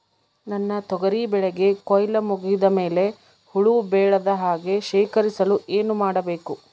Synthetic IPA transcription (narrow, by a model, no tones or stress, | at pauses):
nɐnːɐt̪ɔɡɐɾibɛɭɛɡe̞kɔjlɐmuɡid̪ɐme̞ːle̞ | huɭubɛːɭɐd̪ɐɦaːɡe̞ʃeːkɐɾisɐlueːnumaːɽɐbe̞ːku